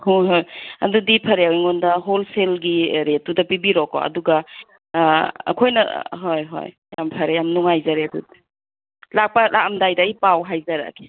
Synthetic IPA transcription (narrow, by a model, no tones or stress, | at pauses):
hojɦojɐ̰dudipʰɐɾeawjŋondɐɦolselɡiɾetudɐpibiɾɔkːɔ̰ɐ̰duɡɐ | ɐ̰kʰojnɐ̰ɦojɦo̰j | jampʰɐɾejamnuŋajzaɾedṵdi | lak̚pɐlʔakɐmdajdaijpawɦajzaɾa̰ke̥